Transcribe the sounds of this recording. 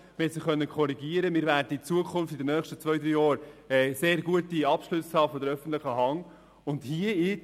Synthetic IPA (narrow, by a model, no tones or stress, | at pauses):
mɛsiχœnːəkʰɔɾiɡiəɾəmɪːɾvæːɾdəit͡suəkʰʊnftɪdənœːχʃtət͡svœʏd̪ɾyːjɔːɾɛseːɾɡuətiɑpʃlʉshɑːfɔdəɾœfən̩tlɪχəɦɑŋ | ʊndhiəɪ